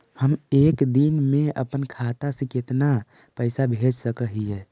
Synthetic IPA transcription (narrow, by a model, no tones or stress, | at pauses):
həmekd̪inmeə̰pənkʰat̪asiket̪na | pəɪsabʱed͡ʒsəkəɦiɛ